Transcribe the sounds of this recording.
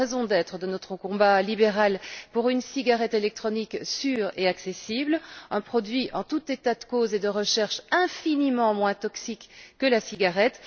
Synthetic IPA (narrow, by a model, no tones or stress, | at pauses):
ɛzɔ̃d̪ɛt̪χəd̪ənɔt̪χəkɔ̃balibeʁalpuʁynsiɡaʁɛt̪elɛk̚t̪χɔniksyːʁeaksesiblɛ̃pχɔd̪ɥiʔɑ̃t̪ut̪et̪ad̪əkozed̪əʁəʃɛʁʃɛ̃finimɑ̃mwɛ̃t̪ɔksikːəlasiɡaʁɛt̪